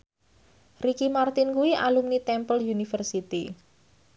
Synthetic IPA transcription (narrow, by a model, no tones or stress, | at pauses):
rikimart̪ɪnkuiʔalumnit̪ɛmpəljunifərsit̪i